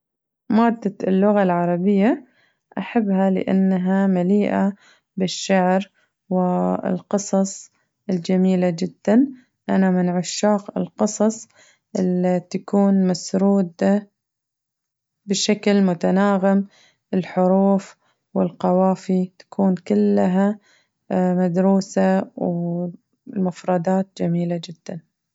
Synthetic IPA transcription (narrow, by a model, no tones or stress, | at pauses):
maːd̪ːalːʊɣalʕɑɾˤɑbɪjːa | ʔaħabːhalɪ̰ʔa̰nːaɦamaliːʔa | bɪʃːaʕɾ | wɪɪ̰lqɨsˤɑsˤ | ɪld͡ʒamiːlad͡ʒɪd̪ːan | ʔanamɪnʕʊʃːaːqɪ̰lqɨsˤɑsˤ | ʔɪlit̪akuːnmasɾuːd̪a | bɪʃaklmʊt̪anaːɣɪm | ʔɪlħʊɾuːf | wɪlqɑwaːfit̪ḁkʰuːnkɪlːɦa | mad̪ɾuːsaw | mʊfɾˤɑd̪ɑːt̪̚d͡ʒamiːlad͡ʒɪd̪̥ːan